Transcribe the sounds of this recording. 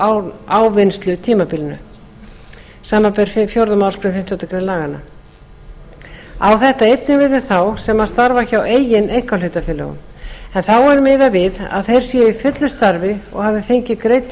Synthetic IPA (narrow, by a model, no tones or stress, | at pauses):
awvɪnst̪lʏt̪ʰiːmapilnʏ̰ | saːmapɛɾ̥fjowɾðʏmawskʰɾʏmfɪm̥t̪ɪɔt̪ːakʰɾelaːɣanːa̰ | awθɛht̪aejt̪nɪnvɪðɪ̥θawsɛmaðst̪aɾvaçaweːjɪnejhkalʏt̪afɪlɛ̰ɣʏ̰m | ɛnθawɛɾmɪːðavɪða̰ðθejɾ̥sjɛifʏt̪lʏst̪aɾvɪɔ̰ɣhavðɪfejɲcɪkɾejt̪